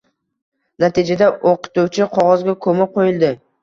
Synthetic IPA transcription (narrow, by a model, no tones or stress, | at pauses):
nat̪ʰid͡ʒad̪aoqɨ̥t̪uwt͡ʃʰɪqʰɒʁɒzɡʲakʰɵmɪqʰojɪlˠd̪ɪ